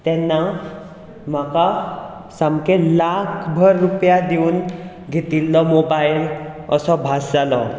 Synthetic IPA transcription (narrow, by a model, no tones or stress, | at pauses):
t̪ɛnːa | m̤aka | samkelakʰbʱəɾːupjad̪euːn | ɡʱet̪ilːɔmobajləsɔbʱasd͡zalɔ